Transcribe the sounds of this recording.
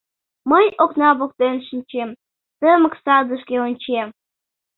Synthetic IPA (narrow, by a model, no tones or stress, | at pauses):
məjoknɑβok̚t̪enʃinʲt͡ɕem | t̪əməksɑd̪əʃkʲeonʲt͡ɕem